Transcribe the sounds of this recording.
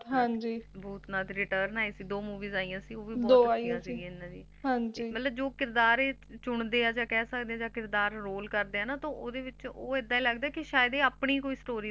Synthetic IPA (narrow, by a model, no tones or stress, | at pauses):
ɦãd͡ʒiːbuːt̪nãːt̪ːɾɪʈəːɾnaːiːsiːd̪oːmuːʋiːzaːiːjãːsiːoːʋiːbɔːd̪oːaːiãːsiːẽɪnːãːd͡ʒḭː | ɦãɲd͡ʒiːmət̪ləbd͡ʒoːkɪɾd̪aːɾeː | t͡ʃʊɳd̪eːãːd͡ʒaːkɛːsəkd̪eːãːd͡ʒãːkɪɾd̪aːɾɾoːlkəɾd̪eːãːnãːt̪õːʔoːd̪eːʋɪt͡ʃoːɪd̪ːãːĩːləɡd̪aːkɪʃaːjd̪eːaːpɳiːkoːiːsʈoːɾiː